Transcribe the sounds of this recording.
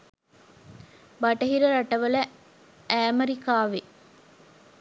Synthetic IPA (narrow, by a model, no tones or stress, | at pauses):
baʈɐɦiɾəɾaʈɐʋələ | æːmɐɾikaːʋe